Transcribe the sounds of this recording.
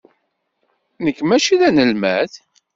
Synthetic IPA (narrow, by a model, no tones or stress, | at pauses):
nəkːmæʃiðænəlmæθ